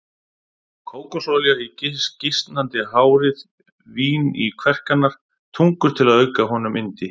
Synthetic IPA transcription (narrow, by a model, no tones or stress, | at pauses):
kʰoːwkɔsɔlɛɣaicɪscɪst̪nant̪ɪɦaːwɾɪð | viːnḭkʰvɛr̥kanːaɾ̥ | t̪ʰuŋkʏɾ̥t̪ʰɪlaðœɥkaɦɔnʏmʔɪnt̪ɪ